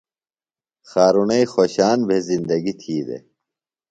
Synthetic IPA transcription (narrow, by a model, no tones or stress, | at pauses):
xaːɾunɐixoːɕaːnbʱezind̪ɐɡit̪ʰiːd̪ḛ